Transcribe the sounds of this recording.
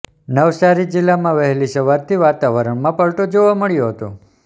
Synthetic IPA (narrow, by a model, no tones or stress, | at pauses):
nəʋsaɾid͡ʒɪlːamãʋəɦɛliʃəʋaɾt̪ʰiʋat̪aʋəɾəɳmãpəɭʈod͡ʒoʋãməɭjoɦət̪o